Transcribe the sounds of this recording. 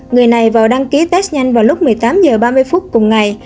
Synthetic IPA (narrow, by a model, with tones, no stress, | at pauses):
ŋɨ˨˩əjna˨˩jvaː˨˩wɗa˧ŋki˨˦t̪ɛː˦˥s̚ɲa˧jŋ̟vaː˨˩wlʊ˦˥k͡p̚mɨ˨˩əjt̪aː˨˦mzəː˨˩ɓaː˧mɨ˧əjfu˦˥t̚kʊ˨˩ŋ͡mŋa˨˩j